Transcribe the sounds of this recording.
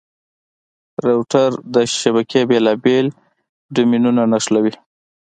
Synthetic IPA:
ɾewʈaɾd̪əʃabakʰebelɑbel | ɖʊminunanaʂlawi

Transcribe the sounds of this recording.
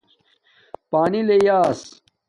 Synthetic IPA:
paːnilejaːs

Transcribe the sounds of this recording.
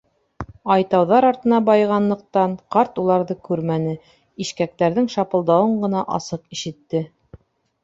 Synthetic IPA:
ɑjt̪ɑwðɑɾɑɾt̪ɤ̆nɑbɑjʁɑnlˠɤ̆q̚t̪ɑɴqɑɾt̪ulˠɑɾðɤkʉɾmænɘ | iʃkæk̚t̪æɾðɘŋʃɑpɤ̆lˠd̪ɑwɤɴɢɤ̆nɑʔɑ̰sɤqiʃɘ̆t̪ːɘ

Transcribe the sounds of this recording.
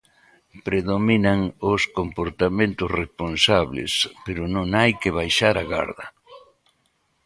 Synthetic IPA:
pɾeðominaŋoskompoɾt̪amẽnt̪ʊsresponsaβlḛspeɾʊnõŋajkɪβajʃaɾaɣa̰ɾðɐ

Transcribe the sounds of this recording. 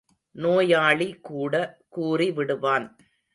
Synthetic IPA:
noːjaːɭikuːɽɐkuːriʋɪɽɯʋaːn

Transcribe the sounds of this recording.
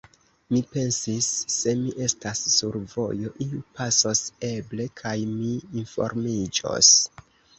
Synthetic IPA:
mipe̞nsisːe̞miʔe̞stasːuɾvo̞̰jo̞ʔiupasose̞ble̞kʰajmiːnfo̞̰ɾmid͡ʒo̞̰s

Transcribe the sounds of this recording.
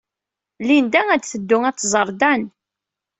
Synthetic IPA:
lind̪ææd̪θəd̪ːʊŋæt͡sːzˤəɾˤd̪æn

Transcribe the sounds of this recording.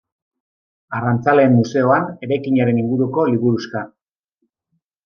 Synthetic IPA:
arant͡sale̞ːmːuse̞o̞ane̞ɾajkiɲaɾe̞niŋɡuɾuko̞liβuɾuska

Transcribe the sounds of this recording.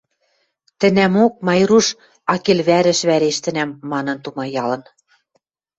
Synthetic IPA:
t̪ɘ̆næmok̚mɑjɾuʃ | ɑkelβæɾɘ̆ʃβæɾeʃt̪ɘ̆næmːɑnɤ̆nt̪umɑjɑlɤ̆n

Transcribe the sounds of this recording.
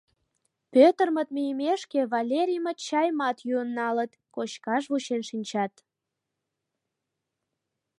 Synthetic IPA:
pøt̪ərmə̆t̪̚mijəmeʃkeβɑlʲeɾʲijmət̪t͡ɕɑjmɑt̪juənːɑlət̪ | kot͡ɕkɑʃβuɕenʃinʲt͡ɕɑt̪

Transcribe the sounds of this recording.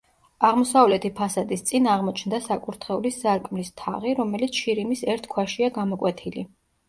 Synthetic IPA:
aʁmɔsavlɛt̪ʰipʰasad̪ist̪sʼinaʁmɔt͡ʃʰnd̪asakʼuɾt̪ʰχɛuliszaɾkʼmlist̪ʰa̰ʁiɾɔmɛlit̪sʰʃiɾimisɛɾt̪ʰkʰwaʃiaɡamɔkʼwɛt̪ʰili

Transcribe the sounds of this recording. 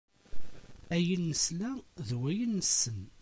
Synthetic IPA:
æjənːəslæðwæjənːəsːən

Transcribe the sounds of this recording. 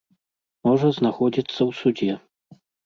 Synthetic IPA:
mɔʐɐznaxɔd͡zʲit̪sːɐwsud͡zʲɛ

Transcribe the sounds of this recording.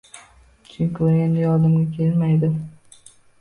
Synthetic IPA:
t͡ʃʰɪŋkʰojʲand̪ejɒd̪ɪmɡʲakʲʰelmajd̪ɪ

